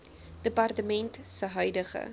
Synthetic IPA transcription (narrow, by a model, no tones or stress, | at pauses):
d̥əpɐrtəmɛntsəɦœɥdəχə̰